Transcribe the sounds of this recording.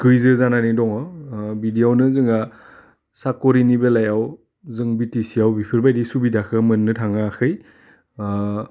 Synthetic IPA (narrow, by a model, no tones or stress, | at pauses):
kɯjzɯzananidɔŋɔbidiawnɯzɯŋa | sakɔɾinibelajaw | zɯŋbitisiawbipʰiɾbajdisubidakʰɯmɯnːɯtʰaŋakʰɯj